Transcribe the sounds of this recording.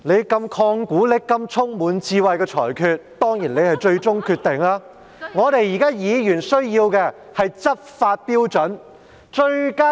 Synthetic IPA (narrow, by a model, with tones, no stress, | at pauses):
ne˨˧jkɐ˧mkʰɔː˧ŋkuː˨˥lɪ˨˧˥kkːɐ˧mt͡ʃʰʊ˥ŋmuː˨˥nt͡siː˧wɐ˨jkɛː˧t͡ʃʰɔ̰ː˨˩jkʰyː˧t̚t̪ɔː˥ŋjiː˨˩nle˨˧jhɐ˨jt͡ʃɵ˧ɥt͡ʃʊ˥ŋkʰyː˧t̪̚ɪ˨ŋlaː˥ | ŋɔː˨˧t̪e˨jiː˨˩kaː˥jiː˨˥jyː˨˩nsɵ˥ɥjiː˧wkɛː˧ | hɐ˨jt͡sɐ˥p̚faː˧t̚piː˥wt͡ʃɵ˨˥n | t͡ʃɵ˧kaː˥